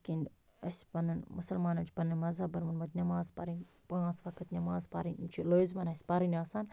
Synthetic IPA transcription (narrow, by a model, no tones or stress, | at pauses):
kin | ɐsʲpɐnɐnmusɐlmaːnɐt͡ʃpɐnɐnmɐzɐbɐɾmɐnmɐt̪nʲɐmaːzpɐ̰ɾin | pãːzfɐkɐt̪nʲɐmaːzpa̰ɾinmt͡ʃʰilozbɐnɐsʲpaɾinʲaːsaːn